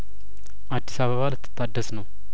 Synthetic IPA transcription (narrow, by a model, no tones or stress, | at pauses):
ʔad̪ːisaβəβalɨt̪ʰːɨ̥t̪ʰːad̪ːəsnəw